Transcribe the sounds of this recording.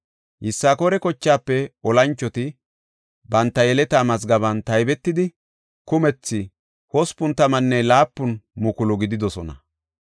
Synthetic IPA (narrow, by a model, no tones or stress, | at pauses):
hɪsːaːkɔɾɛkɔt͡ʃːaːpːɛɔlɐnt͡ʃːɔt̪ɪ | bɐnt̪ːɐjɛlɛt̪aːmɐzɡɐβɐnt̪ɐjbɛt̪ːɪd̪ɪ | kʊmɛt͡sːɪ | hɔspʊnt̪ːɐmɐnːɛlaːpːʊnmʊkʊlʊɡɪd̪ɪd̪ɔsɔ̰nɐ̰